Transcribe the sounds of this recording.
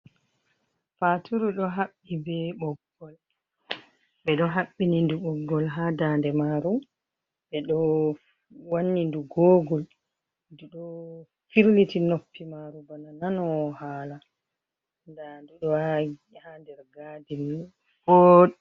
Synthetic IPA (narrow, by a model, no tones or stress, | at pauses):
fatʰuɾuɗɔɦaɓːibɛɓɔɡːɔl | ɓɛɗɔɦaɓːininduɓɔɡːɔlɦadandɛmaɾu | ɓɛɗɔ | wanːinduɡɔːɡɔl | duɗɔ | fiɾlitinopːimaɾubanananɔhaːla | ndanduɗɔ | handɛɾɡadin | kɔ